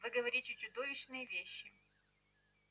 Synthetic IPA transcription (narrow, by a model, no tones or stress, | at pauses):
vɨɡəvɐɾʲitʲɪt͡ɕʊd̪ovʲɪɕnɨjəvʲeɕːɪ